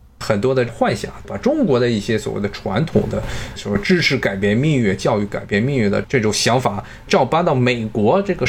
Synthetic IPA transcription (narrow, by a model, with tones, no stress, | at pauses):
xə˨˩nt̪̬wɔ˥d̪ə˨xwa˥˧nɕja̰˨˩pa˨˩ʈ͡ʂʊ˥ŋkwɔ˧˥d̪ə˧i˥˩ɕjɛ˥swɔ˨˩wḛ˥˩ɪd̪ə˩ʈ͡ʂʰwa̰˧˥nt̪ʰʊ̰˨˩ŋd̪ə˦swɔ˨˩˥ʈ͡ʂɻ̩˥ʈ͡ʂʰɻ̩˧˥˩ka˨˩ɪpjɛ˥˧nmi˥˧ŋɥɛ˥˩t͡ɕjɑ˥˧ʊy˥˩ka̰˨˩ɪpjɛ˥˧nmi˥˧ŋɥɛ˥˩d̪ə̰˩ʈ͡ʂɤ˥˩ʈ͡ʂʊ˨˩ŋɕjɑ˧˥ŋfa˨˩˦ | ʈ͡ʂɑ˥˧˩ʊp̪a˥t̪ɑ˥˩ʊme˨˩ɪkwɔ˧˥ʈ͡ʂɤ˥˩ɡə˩